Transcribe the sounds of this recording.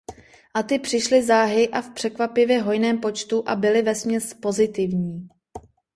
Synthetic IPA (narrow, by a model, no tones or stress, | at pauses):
ʔat̪ɪpr̝̥ɪʃlɪzaːɦɪʔafpr̥ɛkvapɪvjɛɦo̞jnɛːmpo̞t͡ʃt̪uʔabɪlɪvɛsmɲɛspo̞zɪt̪ɪvɲiː